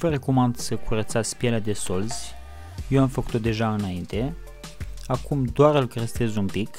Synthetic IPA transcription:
vəɾəkumand̪səkʰuɾət̪sat̪spjelead̪e̞so̞lz̥ʲ | jewamfəku̥t̪od̪e̞ʒaɨnaint̪e̞ | akumd̪oaɾɨlkɾəst̪e̞zumpik

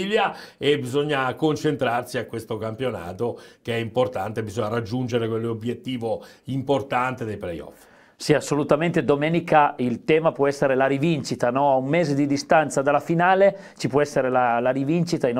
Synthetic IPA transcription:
ljaebizoɲːakont͡ʃent̪ɾarsiakwest̪okampjona̰ːt̪okeɛimport̪ant̪ebizoɲːaɾad͡ʒːund͡ʒeɾekwelːobjet̪ːiːvo | import̪ant̪ed̪ejplḛjɔ̰f | siasːolut̪ament̪ed̪omeːnikailt̪ɛːmapwɔɛsːeɾelaɾivint͡ʃit̪anɔaumːeːzed̪id̪ist̪ant̪sad̪alafinaːle | t͡ʃipwɔɛsːeɾelalaɾivint͡ʃit̪ain

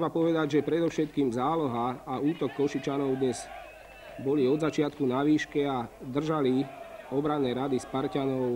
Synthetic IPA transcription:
bapɔʋɛd̪aɟʒɛpɾɛd̪ɔʊʃɛt̪̚kiːmzaːlɔɦaːuːt̪ɔkːɔʃit͡ʃanɔʊd̪ɲɛz̥ | bɔliɔd̪zat͡ʃɪat̪kunaʋiːʃkɛad̪r̩ʒaliɔbɾanːɛːɾad̪ispaɾcanɔʊ

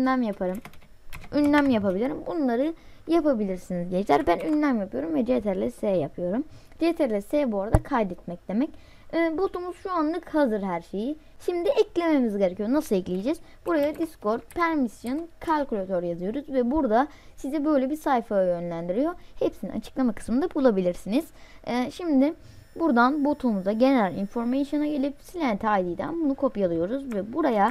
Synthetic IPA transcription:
æmjapʰaɾɯm | ynlʲæmjapabilʲiɾimbunlˠaɾɯjapabilʲiɾsinizɟɛlæɾbænynlʲæmjapɯjo̞ɾumvɛd͡ʒet̪ʰæɾlʲɛsejapʰɯjo̞ɾum | d͡ʒet̪ʰæɾlʲɛsejbuaɾad̪akʰajd̪ɛt̪̚mɛc̚d̪e̞mɛc | ɛːbot̪umuz̥ʃuanlˠɯkhazɯɾɦæɾʃe̞ji | ʃimd̪iʔɛclʲe̞me̞mizɟe̞ɾecʰijonasɯlˠɛclʲijid͡ʒɛz̥b̥uɾajad̪isko̞ɾt̪̚pʰæɾmisjo̞nkʰalʲkulʲat̪ʰøɾjazɯjo̞ɾuzvɛbuɾd̪a | sizɛbø̞jlʲɛbisajfajø̞nlʲænd̪iɾijo̞hepsinḭna̰t͡ʃʰɯ̥klˠamakʰɯ̥smɯnd̪abulˠabilʲiɾsiniz̥ɛːʃimd̪ɪ | buɾd̪anbo̞t̪ʰumuzaɟe̞nelʲḭnfo̞ɾmesjo̞naɟe̞lʲipsilʲænt̪ʰajd̪ijd̪æ̰nbunukʰo̞pjalˠɯjo̞ɾuzvɛbuɾaja

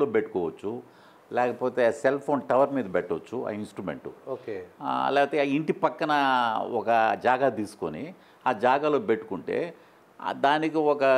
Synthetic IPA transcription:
loːpeʈːu̥kɔːʋɐt͡ʃːu | lɛːkɐpo̞ːt̪e̞ːselpʰo̞ːnʈɐʋɐɾmiːd̪ɐbɛʈːot͡ʃːua̰insʈɾumḛɳʈuoːkḛlɛːɐt̪eiɳʈipɐkːɐnɐɔkɐd͡ʒaːɡaːt̪iːsu̥ko̰ni | aːd͡ʒaːɡaːlo̞ːpe̞ʈːu̥kuɳʈe̞̰ː | d̪aːnikiɔkɐ

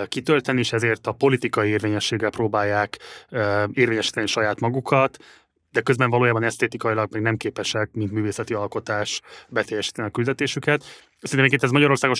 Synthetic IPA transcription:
kit̪ølt̪ɛnːieːʃɛzeːrt̪ɒpo̞lit̪ikɒieːrveːɲɛʃːeːɡːɛlproːbaːjːaːk | eːrveːɲɛʃi̥ːt̪ɛniʃɒjaːt̪mɒɡukʰɒt̪ | d̪ɛkøzbɛɱvɒloːjaːbɒnɛst̪eːt̪ikɒjilɒɡ̚mɛɡnɛmkeːpɛʃɛk̚mint̪myːveːsɛt̪iɒlko̞t̪aːʃbɛt̪ɛjːɛʃi̥ːt̪ɛniɒkyld̪ɛt̪eːʃykɛt̪ | sɛrinmekeɛzmɒɟɒɾo̞rsaːɡo

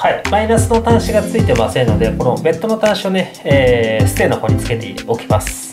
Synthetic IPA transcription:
haimainasɨno̞t̪ãɰ̃ɕiɡat͡sɨit̪e̞masẽ̞nːo̞d̪e̞ko̞no̞be̞t̪ːo̞no̞t̪ãɰ̃ɕio̞ne̞ | eːsɨ̥t̪e̞ːnːoko̞ɲ̟it͡sɨ̥ke̞t̪e̞̰ḭo̞kʲi̥masɨ̥

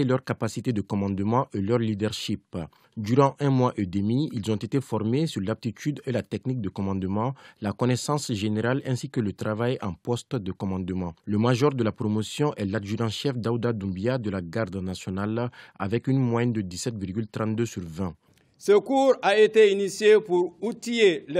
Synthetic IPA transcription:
elœʁkapasit̪ed̪əkɔmɑ̃d̪əmɑ̃ʔelœʁlid̪ɛʁʃip | d̪yʁɑ̃ʔɛ̃mwaʔed̪əmiilzɔ̃t̪et̪efɔʁmesyʁlap̚t̪it̪ʰyd̪elat̪ɛknik̚d̪əkɔmɑ̃d̪əmɑ̃lakɔnɛsɑ̃sʒeneʁalɛ̃sikələt̪ʁavajɑ̃pɔst̪d̪əkɔmɑ̃d̪əmɑ̃ləmaʒɔʁd̪əlapʁomosjɔ̃ʔɛlaʒyʁɑ̃ʃɛfd̪aud̪ad̪ũbjad̪əlaɡaʁd̪nasjɔnala̰vɛkynmwajɛnd̪əd̪isɛt̪viʁɡylt̪ʁɑ̃t̪̚d̪øsyʁvɛ̃ | səkuːɾaet̪einisjepuɾut̪ijel

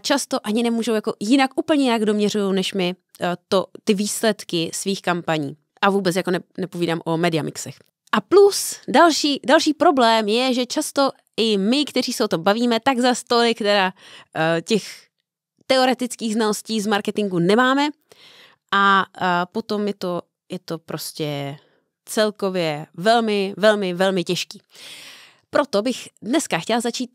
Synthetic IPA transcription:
t͡ʃast̪o̞ʔaɲɪnɛmuːʒo̞wjako̞jɪnakʔuːpl̩ɲɛjɪnaɡdo̞mɲɛr̝ujownɛʃmɪ | t̪ot̪ɪviːslɛt̪kɪsviːxkampaɲḭː | ʔavuːbɛt͡sjako̞nɛnɛpo̞viːdaːmʔo̞mɛdɪamʔɪ̰ksɛx | ʔaplusdalʃiːdalʃiːpɾo̞blɛːmjɛʒɛt͡ʃast̪o̞ | ʔɪmɪkt̪ɛriːsɛot̪o̞mbaviːmɛt̪aɡzast̪olɪkt̪ɛda | cɛx | t̪ɛo̞ɾɛt̪ɪt͡skiːɣznalo̞sciːzmaɾkɛt̪ɪŋɡunɛmaːmɛ | ʔapo̞t̪o̞mjɛt̪o̞ | jɛt̪opɾʔo̞scɛ | t͡sɛlko̞vjɛvɛlmɪvɛlmɪvɛlmɪcɛʃkiː | pɾo̞t̪o̞bɪxdnɛskaxcɛlzat͡ʃiːt̪̚

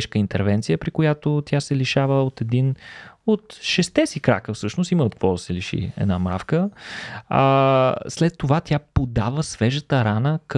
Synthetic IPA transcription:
ʃkəint̪ɛɾvɛnt̪sijəpɾikojat̪ot̪ʲjasɛliʃavəot̪ɛd̪inot̪ʃɛst̪ɛsikɾa̰kəfsɤʃnʊst̪iməot̪̚kvɔd̪ɐsɛliʃḭɛ̰d̪namɾa̰fkə | aslɛt̪ːovat̪ʲjapod̪avəsvɛʒət̪əɾanək

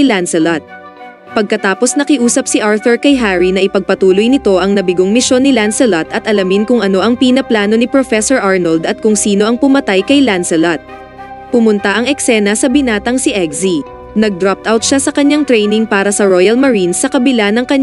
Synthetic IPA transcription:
lansɛlat̪̚ | pɐɡ̚kɐt̪aːposnɐkɪʔuːsɐp̚sɪʔaɹθɔɹkɐjɦaɹinɐʔɪpɐɡ̚pɐt̪uːlojnɪt̪o̞ʔɐŋnɐbɪɡoŋmɪʃo̞nːɪlansɛlat̪ɐt̪̚ʔɐlɐmɪnkʊŋɐno̞ʔɐŋpiːnɐplaːno̞nɪpɾofɛsoɹʔaɹnɐld̪ɐt̪̚kʊŋsiːno̞ʔɐŋpʊmɐt̪ajkɐjlansɛlɐt̪̚ | pʊmʊnt̪ɐʔɐŋɛksɛːnɐsɐbɪnaːt̪ɐŋsɪʔɛɡzi | nɐɡ̚d̪ɾap̚t̪ʔawt̪̚ʃasɐkɐɲːaŋt̪ɾɛjnɪŋpaːɾɐsɐɹojɐlmɐɹinsɐkɐbɪlanɐŋkɐɲ

